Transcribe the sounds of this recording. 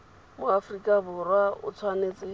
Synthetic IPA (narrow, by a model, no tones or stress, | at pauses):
mʊafrikʼabʊrwaʊ̰t͡sʰwaneːt͡sʼɪ